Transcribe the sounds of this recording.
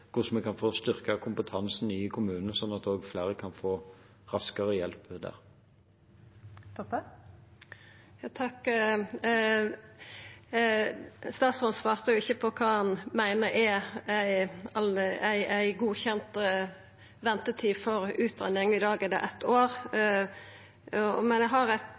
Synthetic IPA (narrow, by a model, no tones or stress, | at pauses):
kʰʊsmɛkɑnfoːst̪ʏʁkəkʰʊmpət̪ʰɑnsn̩ɪkʰʊmʉːnənəsɔnːɑt̪oːɡflæːʁəkʰɑnfoː | ʁɑskəʁəjɛlpd̪æ̰ːʁ | t̪ɔ | jɑːt̪ʰɑkː | st̪ɑːt̪sʁɔnsʋɑːʁt̪əjʊɪçːəpʰɔkʰɑːhɑnmæɪnəɾææɪɑlæɪæɪɡuːçɛnt̪ | ʋɛnt̪ət̪ʰiːfɔɾʉːt̪ʰʁɛ̰nɪŋɪd̪ɑːɡɛd̪ɛ̰ʔɛt̪ːoːʁ | ɔmɛnjæɦɑʁæɪt̪